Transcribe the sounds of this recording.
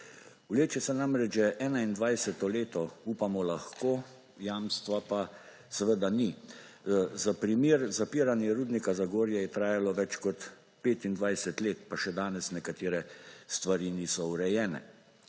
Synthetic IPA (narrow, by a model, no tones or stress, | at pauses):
uleːt͡ʃɛsɛnamɾɛd͡ʒʒɛʔɛːnaind̪ʋajsɛt̪ɔleːt̪ɔupamɔlaxkoː | jaːmst̪ʋapa | sɛʋəd̪ani | zapɾimiːɾzapiːɾanjɛɾuːd̪nikazaɡoːɾjɛjɛt̪ɾaːjalɔʋɛt͡ʃkɔt̪ | peːt̪ind̪ʋajsɛt̪leːt̪paʃɛd̪aːnɛsnɛkat̪eːɾɛst̪ʋaɾinisɔuɾɛjɛːnɛ̰